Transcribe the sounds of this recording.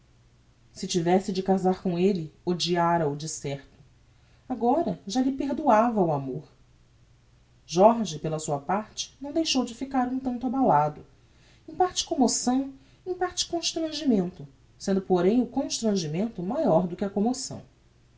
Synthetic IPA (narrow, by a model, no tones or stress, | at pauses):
sɪt͡ʃivɛsɪd͡ʒɪkazaɾkõw̃elɪod͡ʒiaɾɐud͡ʒisɛɾt̪ʊ̥ | aɡɔɾɐʒaʎɪpeɾd̪uavɐuamoɾ | ʒɔɾʒɪpelɐsuɐpaɾt͡ʃɪ̥nɐ̃w̃d̪ejʃowd͡ʒɪfikaɾũt̪ɐ̃nt̪abalad̪ʊ | ẽpaɾt͡ʃɪ̥komosɐ̃w̃ | ẽpaɾt͡ʃɪ̥kõʃt̪ɾɐ̃ʒimẽnt̪ʊ | sẽnd̪ʊpoɾẽj̃ʊkõʃt̪ɾɐ̃ʒimẽnt̪ʊmajɔɾd̪ʊkɪɐkomosɐ̰̃w̃